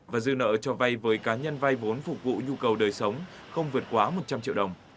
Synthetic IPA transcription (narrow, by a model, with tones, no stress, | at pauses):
vaː˨˩zɨ̰˧nə̰ː˧˨t͡ɕɔ˧va˧jvəː˨˦jkaː˨˦ɲə˧nva˧jvo˨˦nfʊ˨˩k̚vṵ˧˨ɲu˧kə˨˩wɗəː˨˩jsə˨˦wŋ͡mxə˧wŋ͡mvɨ˨˩ət̚kwaː˨˦mo˨˩t̚t͡ɕa˧mt͡ɕḭ˧˨əwɗə˨˩wŋ͡m